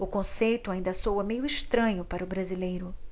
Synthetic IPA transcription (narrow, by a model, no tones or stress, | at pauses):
ʊkõsejt̪ʊaĩnd̪ɐsowɐmejʊiʃt̪ɾɐ̃ɲʊpaɾɐʊbɾazilejɾʊ